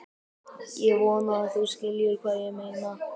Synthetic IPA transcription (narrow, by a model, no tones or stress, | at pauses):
jɛɣvɔːnaːθuwscɪljʏɾkʰvaːjɛɣmejna